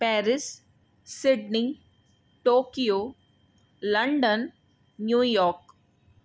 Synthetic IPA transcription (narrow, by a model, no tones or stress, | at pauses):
pɛːɾɪs | sːɪɖni | ʈoːkijoː | lɐ̃ɳɖənː | juːjɔːɾk